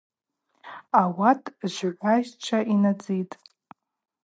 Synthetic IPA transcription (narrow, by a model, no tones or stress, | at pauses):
awatʼʒʷʕʷaʒt͡ʃʷʰaʔinad͡zitʼ